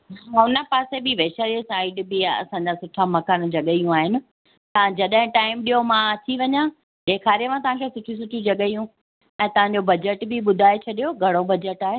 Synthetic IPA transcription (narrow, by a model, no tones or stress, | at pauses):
ɦaɦʊnəpaːsebɪʋeːʃaːɾesaːɪɖbɪɐ̰sãɲd͡ʑasʊʈʰamɐkaːnd͡ʑɐɠəijũaːɦɪnɪ̆ | t̪ɐãd͡ʑɐɗɦɪ̃ʈaːɪmɗijomãt̪ʰiʋɐɲã | ɗeːkʰaːɾijeʋãt̪ɐʋ̤ãkʰesʊʈʰisʊʈʰĩd͡ʑɐɠəijũ | ɛ̃ːt̪ɐʋ̤ãɲ̆d͡ʑobɐd͡ʑəʈbɪɓʊd̪ʱaːet͡ɕʰɐɗijoɡʱɐɽ̃obɐd͡ʑəʈaːɦe